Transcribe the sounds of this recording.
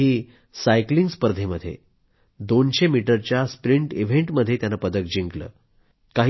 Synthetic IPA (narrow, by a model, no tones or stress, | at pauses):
iː | sajkliŋɡspəɾd̪ʱeməd̪ʱːjḛ | d̪onɕemiʈəɾt͡ɕjaspɾiɳʈiʋ̤eɳʈməd̪ʱːjet̪janːapəd̪ək̚d͡ʑiŋɡlə̰ː | kaɦ